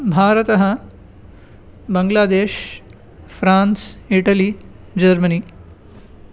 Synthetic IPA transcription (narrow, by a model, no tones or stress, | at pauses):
bʱaːɾɐt̪ɐɦɐ | bɐŋɡlaːd̪eːʃ | fʰɾaːnsiʈɐli | d͡ʒɐɾmɐniː